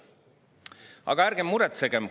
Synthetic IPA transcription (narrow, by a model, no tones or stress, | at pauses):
ɑ̰ɡ̥ɑæɾɡ̥emːuɾɛt̪seɡ̥em